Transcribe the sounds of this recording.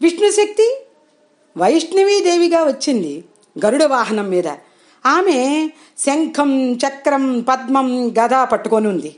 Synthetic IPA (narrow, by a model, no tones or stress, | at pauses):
ʋiʂɳɐʃɐk̚t̪i | ʋɐjiʂnɐʋiːd̪eːʋiɡaːʋɐt͡ʃːind̪i | ɡɐɾuɽɐʋaːɦɐnɐmːiːd̪ɐ̰ | aːmeː | sɐŋkʰɐmt͡ʃɐkːɾɐmpɐd̪mɐmɡɐd̪ʱaːpɐʈːukonund̪i